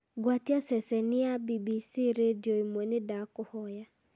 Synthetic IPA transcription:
ɡwatiasɛsɛniabibisiɾedioimwɛnedakʊhɔja

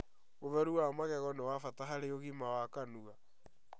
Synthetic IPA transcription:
ɣoβɛɾuwamaɣɛɣɔnewafataɦaɾeoɣimawakanuɣa

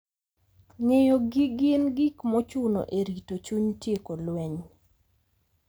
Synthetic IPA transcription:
ŋejoɡiɡɪnɡikmɔt͡ʃʊno̰ʔeɾitot͡ʃuɲtjekolwɛɲ

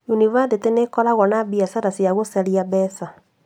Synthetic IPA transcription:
junivadetenekɔɾaɣɔnabiasaɾasjaɣosɛɾiaβɛsa

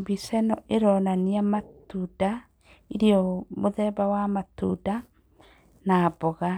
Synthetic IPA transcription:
bisɛnɔʔeɾɔːnaniamatuda | iɾiɔmoðɛbawamatuda | nabɔɣa

